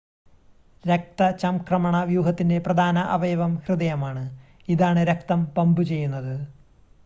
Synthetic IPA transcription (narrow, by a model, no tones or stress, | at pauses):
ɾek̚t̪ɐt͡ɕɐmkrɐmɐɳɐʋjuːɦɐt̪ːinde̞prɐd̪ʱaːnɐʔɐʋɐjɐʋɐmhrɨd̪ɐjɐmaːɳɨ | iðaːɳɨɾekt̪ɐmpɐmbut͡ɕe̞jːunːɐðɨ